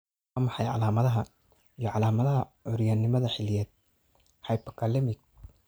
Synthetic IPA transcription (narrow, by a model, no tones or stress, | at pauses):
ɑːmɑħɑjʕɑ̰laːmɐðɐɦɐ | ijɞʕɑlaːmɐðɐɦɐʕʊɾjaːnːɪmɐðɐħɪlɪjɛːd̪̚ | hɑjpɔkʰaːlɛmɪɡ̚